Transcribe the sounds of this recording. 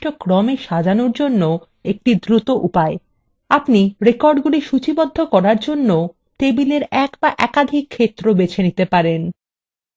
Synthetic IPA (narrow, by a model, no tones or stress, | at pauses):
ʈokɾɔmeʃad͡ʑanoɾd͡ʑonːo | ek̚ʈid̪ɾut̪oʔupae | apniɾekɔɾɖɡuliʃut͡ɕibod̪ʱːokɔɾaɾd͡ʑonːo | t̪ebileɾɛkbaʔɛkad̪ʱikʰːet̪ːɾobet͡ɕʰenit̪epaɾen